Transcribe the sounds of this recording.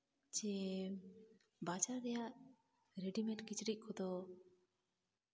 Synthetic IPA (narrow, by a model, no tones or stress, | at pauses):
d͡ʒɛ | bad͡ʒaɾːɛjaʔ | ɾeɖimɛʈkit͡ʃɾic̚ˀkʰɔd̪ɔ